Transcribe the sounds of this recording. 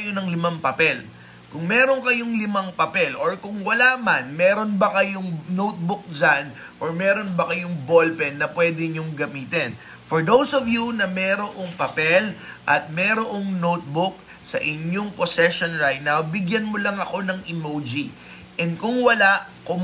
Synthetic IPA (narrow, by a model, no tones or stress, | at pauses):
jonɐŋlɪmaŋpɐpɛl | kʊŋmɛːɾo̞ŋkɐjoŋlɪmaŋpɐpɛlʔoɹkʊŋwɐlaʔmanmɛːɾo̞nbɐkɐjoŋnowt̪̚bʊk̚d͡ʒan | ʔoɹmɛɾo̞nbɐkɐjoŋbo̞lpɛnːɐpwɛd̪ɪɲoŋɡɐmiːt̪ɛn | foɹd̪owsovjunɐmɛːɾoʔoŋpɐpɛlʔɐt̪̚mɛːɾoʔoŋnowt̪̚bʊk̚ | sɐ̰ʔɪɲoŋposɛʃonɹajt̪̚nawbɪɡjɐnmolɐŋɐko̞nɐŋɪmowd͡ʒi | ʔɛnd̪̚kʊŋwɐlaʔkʊm